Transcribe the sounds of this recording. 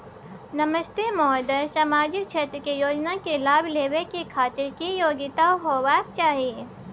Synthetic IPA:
nɐməʃt̪emɔːd̪əsamaːd͡ʒɪk̚t͡ʃʰeːt̪ɾəkejoːd͡ʒnakelaːbleːwekikʰaːt̪ɪɾkijoːɡɪt̪aɦoːwaːk̚t͡ʃaːɦie

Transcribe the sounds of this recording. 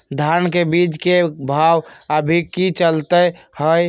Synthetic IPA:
d̪ʱaɾnkebid͡ʒkebʱawəbʱikːit͡ʃəlt̪ə | həj

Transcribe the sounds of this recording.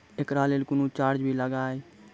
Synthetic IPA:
ekɾaleːlkunut͡ʃaːɾd͡ʒbʱiləɡaːe

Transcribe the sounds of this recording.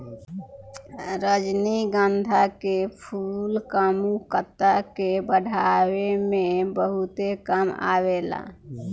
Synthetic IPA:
ɾəd͡ʒniɡə̃nd̪ʱakepʰuːlkamukət̪akebəɽʱaːwemẽbəɦʊt̪ekəma̰ːweːla̰ː

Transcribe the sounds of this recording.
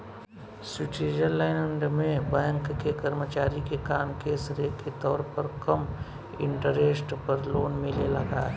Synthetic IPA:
sɪʈiːɾəlaɪnəɳɖmẽbɛ̃ːŋkːekəɾmət͡ʃaːɾikekaːmkesɾeket̪ɔːɾpəɾkɐm | ɪ̰̃ɳʈəɾeːsʈpəɾloːnmɪlelɐɡaːɛ

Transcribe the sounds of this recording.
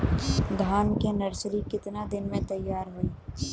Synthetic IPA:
d̪ʱaːnkenɐɾsɾikɪt̪nad̪ɪnmẽt̪ɐjːaːɾɦoiː

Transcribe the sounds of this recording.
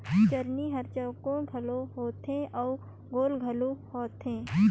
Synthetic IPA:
t͡ʃəɾniɦɐɾt͡ʃəwkõɡʱɐloɦoːt̪ẽʔɔː | ɡoːlɡʱɐlohoːt̪ẽː

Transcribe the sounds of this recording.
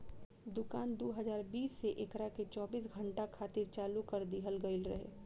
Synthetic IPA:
d̪ʊkaːnd̪oːɦəzaːɾbiːsːeʔekɾaket͡ʃɔːbiːs̬ɡʱə̃ɳʈakʰaːt̪ɪɾt͡ʃaːlukɐɾd̪iɦəlɡəɪlɾɐ̰ɦḛː

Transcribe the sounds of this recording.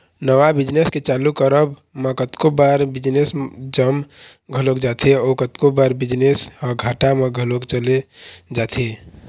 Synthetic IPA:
nəʋabɪd͡ʒnesket͡ʃaːlukəɾəbmə̃kət̪kobaːɾbɪd͡ʒnesd͡ʒəm | ɡʱəlokd͡ʒaːt̪ʰeɔːkət̪kobaːɾbɪd͡ʒnesɔːɡʱaːʈamẽɡʱəlokt͡ʃəled͡ʒaːt̪ʰe

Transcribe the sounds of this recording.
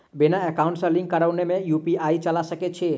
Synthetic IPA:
benaekauɳʈsə̃lĩŋɡkəɾaʊnemẽjupiʔait͡ʃəlasəket͡ʃʰɛ

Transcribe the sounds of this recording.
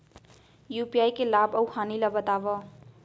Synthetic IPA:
jupiajkelabʌwhanilʌbʌt̪abʌ

